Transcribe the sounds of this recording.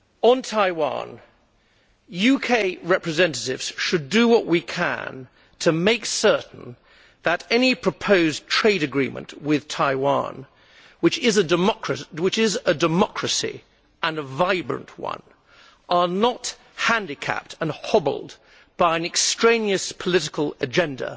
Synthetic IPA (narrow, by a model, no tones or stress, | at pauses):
ə̃ntʰaɪwɑ̰̃n | jʉkʰeɪɹɛpɹɨzɛ̃ntɨɾɪvz̥ʃɨdɨwʌʔwʔikʰə̰̃n | tʰɨmeɪksɜ˞ʔn̩ | ðəɾɛnipʰɹ̥ɨpʰoʊztʰɹ̥eɪɾɨɡɹĩmə̰̃nʔwɪð̥tʰaɪwɑ̰̃n | wɨt͡ʃɪzɨmkɹɨwɨt͡ʃɪzɨdəmɑkʰɹɨsḭ | ə̃nəvaɪbɹɨ̰̃nʔwʌ̰̃n | ʔə˞nət̚ | hæ̃ndɨkʰæ̰p̚tʰə̃nhɑbl̩ˠd | b̥aɪɨ̃nɨkstɹ̥ẽɪ̃niɨspʰəlɪɾɨkʰəl̩ˠɨd͡ʒɛ̃ndə̰